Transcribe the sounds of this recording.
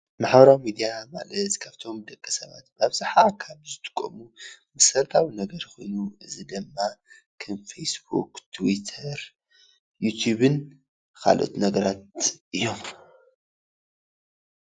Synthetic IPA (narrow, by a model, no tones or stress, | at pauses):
maħβɐɾawmid̪ijama̰lɐt̪kʰaβt̪ʰo̞md̪ɐkʼːɐsɐβa̰t̪baβzaħakʰaβzɨt̪ʰɨ̥kʼːo̰mumɨsɐɾt̪ʰawinɐɡɐɾko̞jnuɨzid̪ɨmːa | kʰɐnfesbṵkt̪ʰwit̪ʰɐɾ | jut̪ʰjuβɨn | kʰa̰lʔo̰t̪nɐɡɐɾat̪ɨjːo̞m